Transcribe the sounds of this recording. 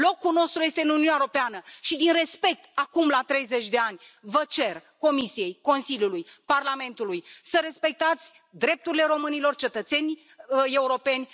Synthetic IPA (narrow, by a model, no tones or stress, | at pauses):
lo̞kuno̞st̪ɾujest̪eɨnuniunɛaeɾopeanəʃid̪inre̞spe̞k̚t̪akumlat̪ɾe̞jze̞t͡ʃʲd̪e̞anʲvət͡ʃe̞rko̞misie̞jko̞nsilʲjulujparlame̞nt̪ulujsəɾe̞spe̞k̚t̪at̪sʲ | d̪ɾe̞p̚t̪uɾile̞ɾo̞mɨnilo̞rt͡ʃe̞t̪ət̪se̞nʲ | əe̞uɾo̞pe̞nʲ